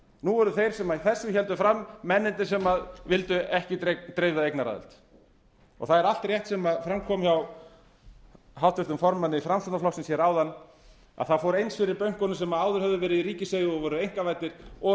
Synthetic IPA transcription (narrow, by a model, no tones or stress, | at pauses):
nuvɔɾðʏθejɾ̥sɛmaðiθɛsːʏçɛlt̪ʏfɾamːɛnːɪnt̪ɪsɛmaðvɪlt̪ʏɛhcɪt̪ɾejvðaejknaɾa̰ðɪ̰lt̪ | ɔ̰ɣθaðɛɾal̥t̪rjɛht̪sɛmaðfɾamkʰɔːmçaw | ɦawht̪ʏft̪ʏmfɔɾmanːɪfɾamsunaflɔksɪnsjɛɾaːwðanː | a̰ðθafɔɾejnsfɪɾɪɾpœɥŋ̥kɔnʏsɛmaðaːwðʏɾhœvðʏvɛːɾɪðiɾiːcɪsejɣɪɔvɔːɾʏejŋ̥kavajt̪nɪɾ̥ɔ